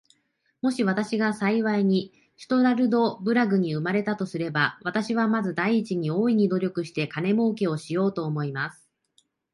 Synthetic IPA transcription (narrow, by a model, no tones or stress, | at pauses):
mo̞ɕiβ̞at̪aɕiɡasaiβaiɲ̟i | çi̥t̪o̞ɾaɾɯ̟d̪o̞bɯ̟ɾaɡɯ̟ɲ̟iɯ̟maɾe̞t̪at̪o̞sɨɾe̞baβat̪aɕiβ̞amazɨd̪aiːt͡ɕiɲ̟io̞ːiɲ̟id̪o̞ɾʲo̞kɯ̟ɕi̥t̪e̞kane̞mo̞ːke̞o̞ɕijo̞ːt̪o̞ːmo̞imasɨ̥